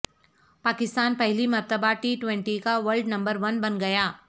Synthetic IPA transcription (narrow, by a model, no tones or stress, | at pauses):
paːkɪst̪aːnpɛɦlimɐɾt̪əbaʈiːʈwɛ̃ɳʈikaʋɐɾlɖnɐ̃mbəɾʋɐnbɐnɡɐjaː